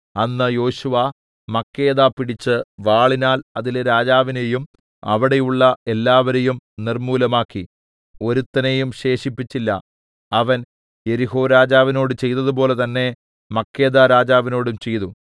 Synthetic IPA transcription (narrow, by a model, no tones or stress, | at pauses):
ɐnːɨjo̞ːɕuʋɐ | mɐkːe̞ːðaːpiɽit͡ɕːɨʋaːɭinaːlɐðileɾaːd͡ʑaːʋine̞jum | ɐ̰ʋiɽe̞juɭːɐe̞lːaːʋɐɾejumnirmuːlɐmaːkːi | o̞ɾut̪ːɐnejumɕe̞ːʂipːit͡ɕːilːɐ | ɐʋɐn | je̞ɾiɦo̞ːɾaːd͡ʑaːʋino̞ːɽɨt͡ɕe̞jt̪ɐðup̬o̞ːle̞t̪ɐnːe̞ | mɐkːe̞ːðaɾaːd͡ʑaːʋino̞ːɽumt͡ɕe̞jt̪u